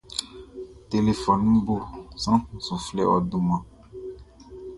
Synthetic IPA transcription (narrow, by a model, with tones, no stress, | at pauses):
t̪e˨le˨fɔ˨nũ˦bo˦sã˦sũ˨flɛ˦ɔ̰˨du˨mã˨